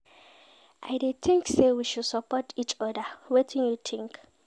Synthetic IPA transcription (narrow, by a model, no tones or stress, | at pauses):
ʔajdet̪ʰĩŋksewiʃudsəpʰɔtʰit͡ʃɔdəwetʰĩnjut̪ʰĩŋk